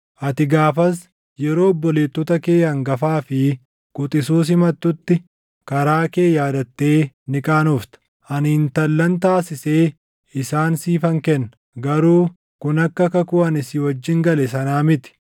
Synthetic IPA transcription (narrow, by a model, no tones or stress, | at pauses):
ʔɐt̪ɪɡaːfɐs̬ | jɛɾo̞ːbːɔleːt̪ːɔt̪ɐke̞ːjɐŋɡɐfaːfɪ | kʼʊt̪ʼɪsuːs̬ɪmɐt̪ːʊt̪ːɪ | kɐɾaːke̞ːjaːd̪ɐt̪ːe̞ːnɪkʼaːnɔft̪ɐ̥ | ʔɐnhɪnt̪ɐlːɐnt̪̬aːsɪse̞ː | ɪsaːnsiːfɐŋkɛnːɐ̥ | ɡɐɾuː | kʊnɐkːɐkɐkʊɐnɪsɪwɐd͡ʒːɪŋɡɐlɛsɐnaːmɪt̪ɪ̥